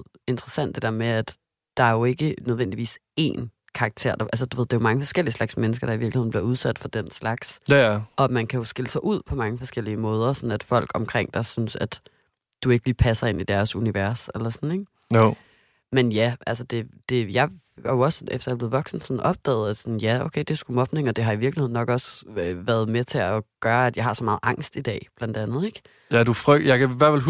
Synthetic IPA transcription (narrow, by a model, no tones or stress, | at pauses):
e̝nd̥ʁɐsæn̰d̥e̝d̥æ̰ɐ̰meæd̥ | d̥ɑ̈æɐjo̝e̝ɡ̥ənøð̞ˠʋen̰d̥iʋḭːse̝̰ːn | kʰɑ̈ɑɡ̥̚t͡sʰe̝̰ɐ̰d̥ɑ̈ʔælsəd̥uʋe̝ðˠd̥eɐmɑ̈ŋəfɒ̽sɡ̥el̰iəslɑ̈ɡ̥smenəsɡ̥ɐɾ̥ɑ̈iʋiɐɡ̥lihe̝nb̥liɐuð̞ˠsæd̥fɒ̽d̥en̰slɑ̈ɡ̥sʔɒ̽mænkʰæjo̝sɡ̥e̝ləsɑɪʔuð̞̰ˠpʰɒ̽mɑ̈ŋəfɒ̽sɡ̥el̰iəmɔːð̞ˠɐsɒ̽næd̥fɒ̽l̰ɡ̥ɒ̽mkʰʁeŋ̰d̥ɑ̈ɪsynsæd̥ | d̥ue̝ɡ̥əliːpʰæsɐe̝nid̥æɐsuniʋæɐselɐsɒne̝ɡ̥ | menjæʔælsəd̥e̝d̥e̝jɑ̈ɪ | ɑjoɒ̽sefd̥ɐjɑb̥le̝ːðˠʋɒ̽ɡ̥sn̩sɒ̽nʔɒ̽b̥̚d̥ɛ̰ːð̩ˠæd̥sɒ̽njæoʊkʰeɪd̥e̝sɡ̥umɒ̽b̥ne̝ŋɒ̽d̥e̝ɦɑ̈iʋiɐɡ̥lihe̝ð̰ˠnɒ̽ɡ̥ɒ̽søʋæɐð̞ˠmet͡sʰe̝ɒɡ̥ɶːɐæd̥jɑ̈ɪhɑ̈sɒmɑ̈ːð̩ˠʔɑ̈ŋ̰sd̥id̥ɛ̰ːb̥læn̰d̥ænð̩ˠeɡ̥ | jædufʁœɡ̚jɑ̈ɪkæiʋæɐfel